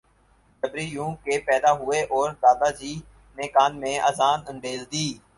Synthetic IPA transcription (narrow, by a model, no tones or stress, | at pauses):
səbɾiːjũːkeːpɛːd̪aːɦʊeːʔɔːɾd̪aːd̪aːd͡ʒiː | neːkaːnmẽːʔəːzaːnə̃nd̪eːzd̪iː